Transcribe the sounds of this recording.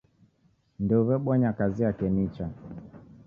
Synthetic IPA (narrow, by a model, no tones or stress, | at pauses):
nduvɛɓwɔɲakaziakɛnit͡ʃa